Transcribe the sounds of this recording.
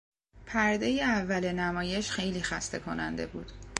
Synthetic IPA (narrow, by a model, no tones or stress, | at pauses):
pʰæɾd̪e̞jeævːælenæmɒːje̞ʃxe̞jliːxæst̪e̞kʰo̞nænd̪e̞̰bṵːd̪̥